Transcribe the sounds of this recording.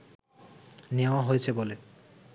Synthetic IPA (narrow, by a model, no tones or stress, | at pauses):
newaɦojsʰebole